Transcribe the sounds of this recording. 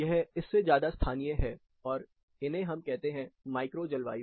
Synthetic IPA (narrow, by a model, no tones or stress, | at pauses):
jɛɦɪsːezjaːd̪ast̪ʰaːnijəɦɛ | ɔːɾ | ɪnɦẽɦɐmkɛɦt̪eɦɛ̃maːɪkɾod͡ʒɐlʋa̰ːi